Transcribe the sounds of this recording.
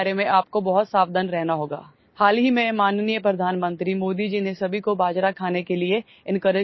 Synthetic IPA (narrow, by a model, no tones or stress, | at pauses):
ɾemẽʔaːp̚kobɐɦʊt̪saːbd̪ənɾɛɦnaɦoːɡa̰ː | haːlɦimẽmaːnnijəpɾɐd̪ʱaːnmə̃nt̪ɾimoːd̪id͡ʒinesɐbʱikobaːd͡ʒɾakʰaːnekelie | ɪ̃nkəɾə